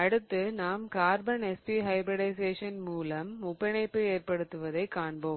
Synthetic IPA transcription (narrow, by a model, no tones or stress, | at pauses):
ɐɽɯt̪ːɯnaːmkaːɾbɐɳɛspiɦɐɪbɾɐɽɐɪseːʂɐnmuːlɐmʊpːɐɳɐɪpːɯeːrpɐɽɯt̪ːɯʋɐðɐɪkːaːɳboːm